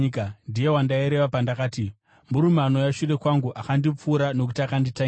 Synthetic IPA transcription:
kandije̞wandaiɾe̞ʋapandakaːti | muɾumano̞jaʃuɾe̞kwaŋɡuʔakandip͡fuːɾano̞kutakandita

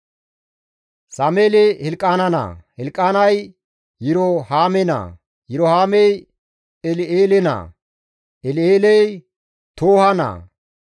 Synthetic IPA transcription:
saːmeːlehɪlkʼaːnɐna̰hɪlkʼːaːnɐj | jɪɾohaːmɛna̰ | jɪɾohaːmɛj | ɛleːlɛna̰ | ɛleːlɛj | t̪oːhɐna̰

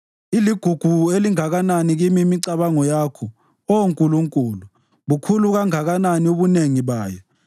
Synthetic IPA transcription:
iliɡ̥ʱuɡ̥ʱueliŋaɣananiɣimimiǀaβaŋɔjakʰɔ | ɔŋkʼuluŋkʼuːlu | βukʰuluɣaŋaɣananioβuneŋiβaːjɔ

